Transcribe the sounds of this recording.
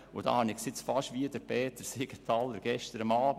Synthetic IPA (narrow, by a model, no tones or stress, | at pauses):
ʊd̥ɑ̰hɑnɪɡsɪt͡sfɑʃʋiədəɾpʰeːt̪əɾseɡət̪ʰɑlːəɾɡ̥ɛʃtəɾəmɑːb